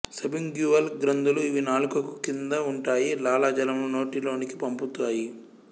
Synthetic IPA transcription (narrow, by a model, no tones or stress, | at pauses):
sɐbiŋɡjuːɐlɡɾɐnd̪uluiʋinaːlukɐku̥kind̪ɐuɳʈaːjilaːlaːd͡ʒɐlɐmluno̞ːʈilo̞ːniki̥pɐmput̪aːji